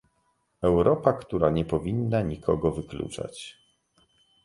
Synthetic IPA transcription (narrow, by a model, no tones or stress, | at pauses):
ɛwɾɔpakt̪uɾaɲɛpɔvʲinːaɲikʰɔɡɔvɘklṵt͡ʂa̰t͡ɕ